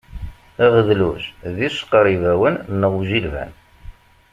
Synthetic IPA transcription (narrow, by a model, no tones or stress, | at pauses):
æʁəðluzðisqɾˤivæwənnːəʁuʒilvæ̰n